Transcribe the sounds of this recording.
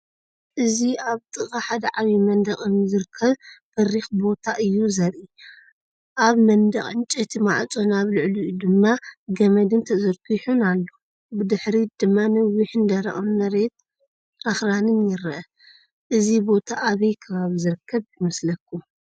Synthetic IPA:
ʔɨziaβt̪ʼɨχʼaħad̪ɐʕaβimɐnd̪ɐχʼɨnzɨɾɨkʰːɐβfɐrːixbo̞t̪ʰaʔɨjːuzɐɾʔi | ʔaβmɐnd̪ɐχʼɨnt͡ʃʼet̪ʰimaʕt͡sʼo̞naβlɨʕlud̪ɨmːaɡɐmɐd̪ɨnt̪ʰɐzɐɾkʰiħunalːo | bɨd̪ɨħɾid̪̥ɨmːanɐwːiħɨnd̪ɐɾɐ̰ʔomnɐɾet̪̚ | axɾanɨnjɪɾɐʔɐ | ʔɨzibo̞t̪ʰaʔaβɐjkʰɐβaβzɨɾɨkʰːɐβjɪmɐslɐkʰːu

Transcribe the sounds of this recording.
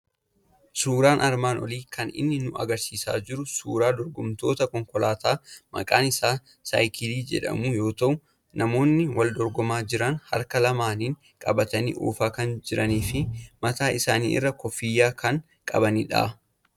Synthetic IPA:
suːɾaːnʔɐɾmaːnɔ̰liːkʰɐnɪ̰nːɪnʊɐ̰ɡɐɾsiːsa̰ːd͡ʒɪɾʊsuːɾaːd̪ɔɾɡʊmt̪o̞ːt̪ɐkɔŋkɔlaːt̪aːmɐ̰kʼaːnɪsaː | sɐ̰jkʰɪliːd͡ʒɛ̰ᶑɐ̰mʊjo̞ːt̪ɐʔʊ | nʔɐmo̞ːnːɪwɐld̪ɔɾɡɔmaːd͡ʒɪɾɐnhɐ̰ɾkɐlɐmaːniːŋ | kʼɐbɐt̪ɐnḭːʔṵːfaːkɐnd͡ʒɪɾɐniːfɪmɐt̪aːʔɪsaːnḭːʔɪ̰rːɐkɔfɪjːaːkʰɐŋ | kʼɐ̰bɐniᶑa̰ː

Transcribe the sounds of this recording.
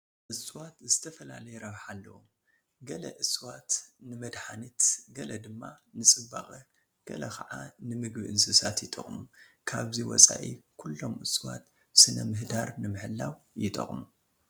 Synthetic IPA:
ʔɨswat̪zɨt̪ʰɐfɐlalɐjɛɾɐβħalːɐwom | ɡɐlɐ̰ʔɨswat̪nɨmɐd̪ħanit̪ɡɐlɐd̪ɨmːanɨsʼɨbaxʼɐ | ɡ̥ɐ̰lɐkʰɐʕanɨmɨɡbɨʔɨnsɨsat̪jɪt̪ʼɐχʼmukʰaβziwɔ̰t͡sʼa̰ʔḭkʰulːo̞mʔɨswa̰t̪ | sɨnɐmɨhd̪aɾnɨmɨħɨlːawjɪt̪ʼɐ̰χʼmu

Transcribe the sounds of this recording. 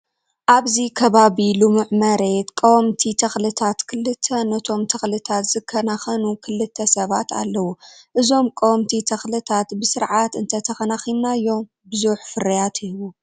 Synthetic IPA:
ʔaβzikʰɐβaβilumɨʕmɐɾe̞t̪kʼɐwɔmt̪ʰit̪ʰɐxlɨt̪ʰat̪kʰɨlːɨt̪ʰːɐnɐt̪ʰo̞mt̪ʰɐxlɨt̪ʰat̪z̥ɨkʰːɐnaxɐnukʰɨlːɨt̪ʰːɐsɐβat̪ʰa̰lːɐwuʔɨzo̞mkʼowmt̪ʰit̪ʰɐxlɨt̪ʰat̪bɨsɨɾʕat̪ɨnt̪ʰɐt̪ʰɐxɐnaxilnajːo̞m | bɨzuħfɨɾɐjat̪hiwu

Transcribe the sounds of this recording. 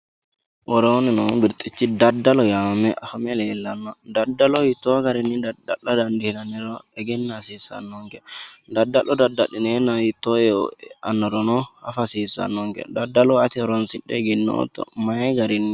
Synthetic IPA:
wɔɾɔnɛnɔbiɾt̪ʼːit͡ʃːidadːalɔjamɛʔafamɛlɛlːanːɔdadːalɔwitɔɡaɾinːidadalːɔdandihlanɛɾɔɛɡɛnːasisa̰nːɔŋɡɛdadːalɔdadːaɗinɛnajitɔjɛ̰anːɔɾɔnɔha̰fasisa̰nːɔŋɡɛ̰dadːalɔat̪iɾɔnsiɗɛɡinːɔ̰ɔ̰tɔ̰maɡaɾinːi

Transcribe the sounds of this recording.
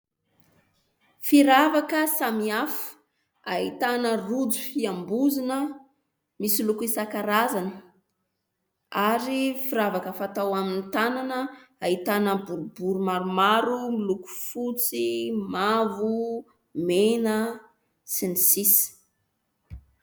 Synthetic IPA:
fiɾavakəsamiafu̥ | ait̪anərud͡zufiambuzinə | misilukuisakaɾazanə | aɾifiɾavakəfat̪awaminit̪ananəait̪anəbuɾubuɾumaɾumaɾumiluku̥fut͡simavu | menə | sinisisi̥

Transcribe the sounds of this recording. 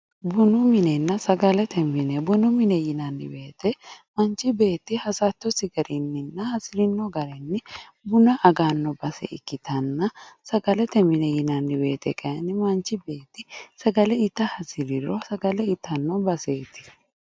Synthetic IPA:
bʊnʊmɪnɛnːɐsɐɡɐlɛt̪ʰɛmɪnɛbʊnʊmɪnɛjɪnɐnːɪ̰be̞ːt̪ɛmɐnt͡ʃɪbe̞ːt̪ːɪhɐsɐt̪ːɔsɪɡɐɾʔɪnːɪnːɐhɐsɪɾɪnːɔɡɐɾɛnːɪ | bʊnɐʔɐɡaːnːɔbɐsɛ̰ɪ̰kːɪt̪ʰɐnːɐsɐɡɐlɛt̪ɛmɪnɛjɪnɐnːɪbe̞ːt̪ɛ̰kʼɐjɐnːɪmɐnt͡ʃːɪbe̞ːt̪ːɪsɐɡɐlɛɪt̪ːɐhɐsɪɾɪɾɔsɐɡɐlɛɪt̪ːɐnːɔbɐseːt̪ɪ̥

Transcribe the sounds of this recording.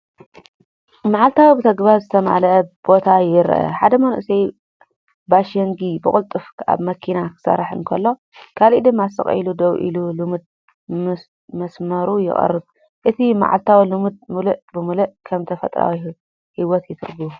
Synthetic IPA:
maʕalt̪ʰawibɨt̪ʰɐɡbaɾzɨt̪ʰɐma̰lɐʔb̥o̞t̪ʰajɪɾ̰ʔɐ̰ħad̪ɐmɐnʔsej | baʃeŋɡibɨkʼɨlt̪ʼɨfa̰βmɐkʰinakʰɨ̥sɐ̰ɾħɨ̰nkʰɐlːo̞ | kʰalʔid̪ɨmːasɨ̰χʼɐ̰jlud̪ɐwʔḭlulɨmɨd̪̚ | mɐsmɐɾujɪ̰χʼɐ̰rːɨb | ʔɨt̪ʰima̰ʕa̰lt̪ʰawilɨmɨd̪̚mɨlɨʔbɨmɨlɨʔkʰɐmt̪ʰɐfɐt̪ʼɾa̰wi | hiwɔt̪jɪt̪ʰɨ̰ɾɡu

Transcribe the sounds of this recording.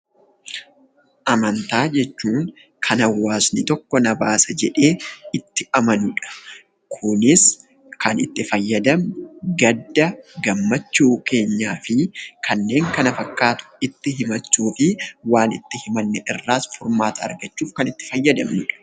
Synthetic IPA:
ʔɐmɐnt̪aːd͡ʒɛt͡ʃːuːŋ | kʰɐnɐwːaːsnɪt̪ɔkːɔnɐbaːsɐd͡ʒɛᶑe̞ːɪt̪ːɪʔɐmɐnʊᶑɐ̥ | kʰʊnɪs | kɐnɪt̪ːɪfɐjːɐd̪ɐmɡɐd̪ːɐɡɐmːɐt͡ʃːuːke̞ːɲːaːfɪkʰɐnːe̞ːŋkɐnɐfɐkːaːt̪ʊ̥ɪt̪ːɪɦɪmɐt͡ʃːuːfɪwaːnɪt̪ːɪhɪmɐnːɛʔɪrːaːsfʊɾmaːt̪ɐɐ̰ɾɡɐt͡ʃːuːfkɐnɪt̪ːɪ̥fɐjːɐd̪ɐmnʊᶑɐ̥

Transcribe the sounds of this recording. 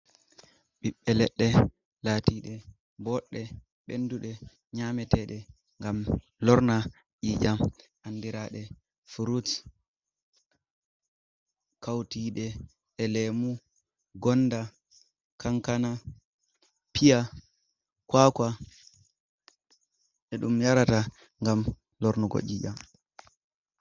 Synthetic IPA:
ɓiɓːɛlɛɗːɛ | laːtiɗɛ | bɔɗːɛ | ɓḛnduɗɛ | ɲamɛtɛɗɛ | ŋɡam | lɔɾna | ʔiːd͡ʒamʔanːdiɾaɗɛ | fuɾut | kawtiɗɛ | ʔɛlɛmu | ɡɔnda | kaŋkana | pʰija | kwaka | ʔɛɗumjaɾata | ŋɡam | lɔɾnuɡɔ̰ʔiːd͡ʒam

